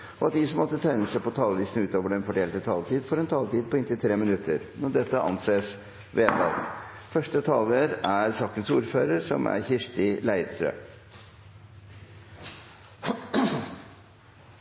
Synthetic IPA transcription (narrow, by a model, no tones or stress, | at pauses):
ɔɑt̪̚d̪ɪsɔmɑd̪ːət̪ʰæɪnəsæpɔt̪ʰɑːlʋiːsnʉːt̪oːʋəɖɛnfɔɖeːlt̪ət̪ʰɑːlt̪ʰiːd̪fɔɾɛnt̪ʰɑːlt̪iːd̪̚pʰɔɪnt̪ɪlt̪ʰɾeːmɪnʉt̪ːəɾnɔd̪ɛt̪ːəʔɑ̰nseːs | ʋeːt̪ɑ̰lt̪ | fœʂʈət̪ʰɑːləɾæɾsɑːkənsuːɾføːɾəɾsɔ̰mæ̰ɾçɪʂʈɪlæɪd̪t̪ʰɾø̰ː